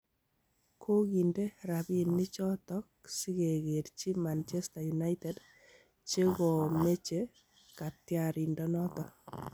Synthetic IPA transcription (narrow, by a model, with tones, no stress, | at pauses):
kʰo˦ki˨nde˦ɾa˨bi˨nːi˦t͡ʃɔ˦tɔ˦k̚si˦ke˨ɣe˨ɾt͡ʃi˦ma˨nt͡ʃe˦sta˨juna˦ite˨d | t͡ʃe˦kɔ˨me˦t͡ʃe˦ | ka˨tja˨ɾi˨ndɔ˦nɔ˦tɔ˨